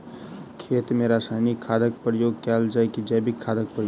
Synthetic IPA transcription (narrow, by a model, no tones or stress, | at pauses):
kʰeːt̪mẽɾaːsaːɪnikʰːaːd̪əkpəɾjoːɡkaːld͡ʒaːekid͡ʒɛːbʱikʰaːd̪ʱək̚pəɾjo